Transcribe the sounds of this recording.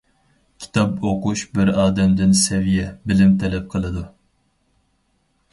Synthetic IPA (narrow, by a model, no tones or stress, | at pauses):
kʲʰi̥t̪ʰɑpoquʃbɪɾɑːd̪ɛmd̪ɪnsɛvijɛbɪlɪmt̪ʰɛlɛp̚qʰəlˠɨd̪u